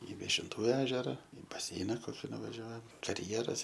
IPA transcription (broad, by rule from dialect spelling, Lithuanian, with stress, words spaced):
ɪ ʋʲiɛʃʲɪnˈtuː ˈæːʒʲɛrɐ ɪ bɐˈsʲɛɪnɐ ˈkoːkʲɪ nʊʋɐˈʒʲuɔjɛm kɐrʲˈjæːrɐs